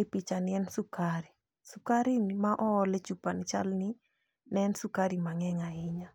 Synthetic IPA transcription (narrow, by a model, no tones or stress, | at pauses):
epit͡ʃanɪɛnsukaɾi | sukaɾinmaʔɔlet͡ʃupanit͡ʃalni | nɛnsukaɾimaŋɛŋaɪɲa